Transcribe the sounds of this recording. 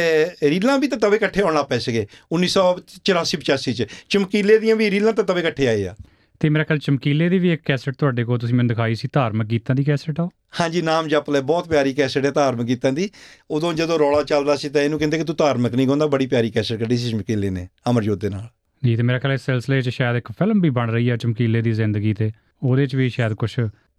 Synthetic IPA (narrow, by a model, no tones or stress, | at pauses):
eɾiːlãːbiːt̪ãːt̪əbẽːkəʈʰːeːɔ̃ːɽ̃aːpɛeːsəɡeːʊnːiːsɔːt͡ʃəɾaːsiːpət͡ʃaːsiːt͡ʃt͡ʃəmkiːleːd̪ijãːbiːɾiːlãːt̪̬ãːt̪əbẽːkəʈʰːeːaːeːa̰ː | t̪eːmeːɾaːkʰɛːlt͡ʃəmkiːleːd̪iːʋiːekːɛːsəʈ̚t̪ʊaːɖeːkoːlt̪ʊsĩːmɛːnd̪ɪkʰaːisiːt̪aːɾmək̚kiːt̪ːãːd̪iːkɛːsəʈaːoː | hãːd͡ʒiːnaːmd͡ʒaːplɛːbɔːt̪pjaːɾiːkɛːsəʈɛːt̪aːɾməkːiːt̪ãːd̪iːoːd̪õːd͡ʒəd̪õːɾɔːlaːt͡ʃəld̪aːsiːt̪ãeːnũːkɪ̃nd̪eːkɪt̪uːt̪aːɾməknĩːkõːnd̪aːbəɽiːpjaːɾiːkɛːsəʈkəɖiːs̬iːt͡ʃəmkiːleːnḛːəməɾd͡ʒoːeːna̰ːl | d͡ʒiːt̪eːmeːɾaːkʰɛːlɛsɛlsleːt͡ʃʃaːjd̪ɪkpʰɪlmbiːbəɳɾəiːɛːt͡ʃəmkiːleːd̪iːzɪ̃nd̪əɡiːt̪eː | oːd̪eːt͡ʃʋiːʃaːjəd̪kʊt͡ʃʰ